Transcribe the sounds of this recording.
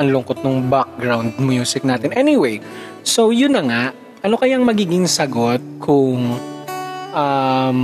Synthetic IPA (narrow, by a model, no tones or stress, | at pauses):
ɐŋlʊŋkot̪̚nʊŋbak̚ɡɹawnd̪̚mjuːsɪk̚naːt̪ɪnʔɛnɪwej | sowjʊnːɐŋaʔ | ʔɐno̞kɐjaŋmɐɡiːɡɪŋsɐɡot̪̚kʰʊŋ | ʔam